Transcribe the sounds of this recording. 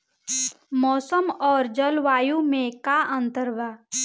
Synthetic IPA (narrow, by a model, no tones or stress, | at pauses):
mɔːsəmɔːɾd͡ʒəlʋaːjumẽkaʔə̃nt̪əɾʋa